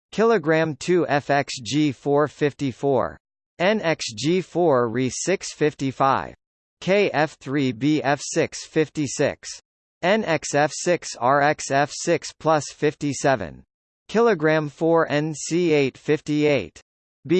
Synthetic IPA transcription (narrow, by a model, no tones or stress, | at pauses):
kʰɪlˠɨɡɹæ̃mtʰʉʔɛfɛksʒifɔɹfɪftifɔ̰ɹ | ɛ̃nɛksd͡ʒifɔɹɹisɪksfɪftifaɪv̥ | kʰeɪʔɛfθɹibiɛfsɪksfɪftisɪ̰ks | ɛ̃nɛksɛfsɪksɑɹɛksɛfsɪkspʰl̥ʌsfɪftisɛvɨ̰̃n | kʰɪlˠəɡɹæ̃ɱfɔɹʔɛ̃nsieɪtfɪftieɪt | b̥i